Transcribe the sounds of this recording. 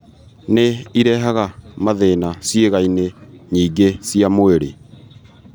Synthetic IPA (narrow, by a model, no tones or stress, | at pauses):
neiɾɛɦaɣamaðeːnasjeɣaineɲiːɡesiamoeɾḛ